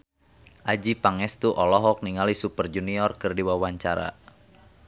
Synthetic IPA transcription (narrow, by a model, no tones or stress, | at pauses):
ʔad͡ʒipaŋɛst̪uʔɔlɔɦɔk̚niŋalisupərd͡ʒuniɔrkɨrdiwawaɲt͡ʃaɾa̰